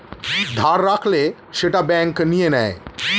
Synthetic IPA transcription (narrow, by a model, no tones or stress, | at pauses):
d̪ʱaɾːakʰle | ʃeʈabɛŋknijenɛe